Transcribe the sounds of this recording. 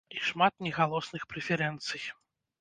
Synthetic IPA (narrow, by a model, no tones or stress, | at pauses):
iʂmat̪̚nʲɛɣalˠɔsnɨxpɾɛfʲɛɾɛnt̪sɨj